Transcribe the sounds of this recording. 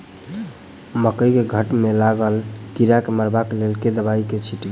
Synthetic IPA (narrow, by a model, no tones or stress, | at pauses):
məkəikeɡʱəʈmelaɡəlkiɾakeməɾbakelelked̪əbaiket͡ʃʰiʈɡe